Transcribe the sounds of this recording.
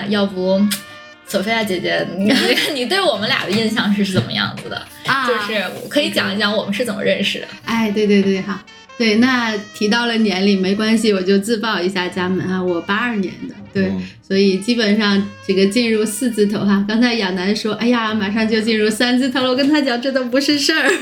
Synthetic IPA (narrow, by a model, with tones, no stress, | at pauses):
jɑ˥˩ʊpu˧˥ | sʰo˨˩ʊfe˥a˥˩t͡ɕjɛ˨˩t͡ɕɛ˧˥˧ni˨˩t̪we˥˩ɪwɔ˨˩mə˦nljɑ̰˨˩d̪ə˦i˥˧nɕ̬jɑ˥˧ŋʂɻ̩˥˧ʂ̩˥˩t͡sə̰˨˩mə̰˦jɑ̰˥˩ŋd͡z̩˩d̪ə̰˩˧ | jo˥˧ʊʂɻ̩˥˩wɔ̰˨˩kʰɤ˧˥i˧˥t͡ɕjɑ̰˨˩ŋi˧˥ɕjɑ˥˩wɔ˨˩mə˦nʂɻ̩˥˩t͡sə˨˩mə̰˦ɻə˥˧nʂɻ̩˨˩d̪ə̰˩a˥˩ɪt̪we˥˧ɪt̪we˥˧ɪt̪we˥˩ɪxɑ˧˦ | t̪we˥˩ɪna˥˩t̪ʰi˧˥t̪̬ɑ˥˩ʊlə˩njɛ˧˥nli˨˩me˧˥ɪkwa˥nɕ̬i˨wɔ˨˩t͡ɕjo˥˧ʊt͡sɹ̩˥˧pɑ˥˩ʊi˧˥ɕja˥˩t͡ɕja˥mə˨˧˥na˥˩wɔ˨˩pa˥ɐ˞˥˩njɛ̰˧˥nd̪ə˧t̪we˥˩ɪswɔ˧˥i˨˩t͡ɕi˥pə˨˩nʂɑ˥˧ŋʈ͡ʂɤ˥˩ɡə˩t͡ɕi˥˧nɻu˥˧sɹ̩˥˧t͡sɹ̩˥˩t̪ʰo˧˥ʊa˥˧kɑ˥ŋt͡sʰa˧˥ɪjɑ˨˩ŋna˧˥nʂwɔ˥ʔa˥˩ɪja˩ma˨˩ʂɑ˥˧ŋt͡ɕjo˥˧ʊt͡ɕi˥˧nɻu˥˩sa˥nt͡sɹ̩˥˩t̪ʰo˧˥ʊlo˧˥ʊkə˥nt̪ʰa˥t͡ɕjɑ˨˩ŋʈ͡ʂɤ˥˩d̪ə˨˩pu˧˥ʂɻ̩˥˧ʂə˥˩